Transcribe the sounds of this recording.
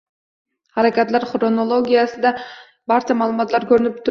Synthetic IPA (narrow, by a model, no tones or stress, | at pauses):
haɾakʲat̪laɾχɾonolˠoɡʲijasɪd̪a | baɾt͡ʃʰamaːlˠumɑt̪laɾkʰʲɵɾɪnɪp̚t̪ʰʊ